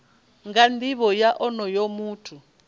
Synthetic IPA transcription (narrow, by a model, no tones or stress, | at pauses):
ŋɡand̪iβɔjaʔɔnɔjomuːtʰu